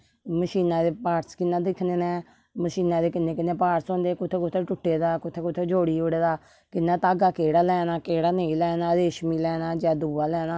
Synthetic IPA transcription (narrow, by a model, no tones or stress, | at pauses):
məʃiːnãːd̪eːpaːɾskɪnːãːd̪ɪkʰneːnɛː | məʃiːnãːd̪eːkɪnːeːkɪnːeːpaːɾsõːnd̪eːkʊt̪ʰeːkʊt̪ʰeːʈʊʈːeːd̪aːkʊt̪ʰːeːkʊt̪ʰːeːd͡ʒoːɽiːoɽeːd̪aː | kɪnːãːt̪aːɡaːkeːɽaːlɛːnaːkeːɽaːneĩːlɛːnaːd̪eːʃmiːlɛːnaːd͡ʒaːd̪uːaːlɛːnaː